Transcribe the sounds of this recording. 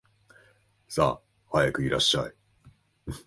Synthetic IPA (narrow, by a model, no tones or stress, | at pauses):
sa̰ː | hajakɯ̟iɾa̰ɕːa̰i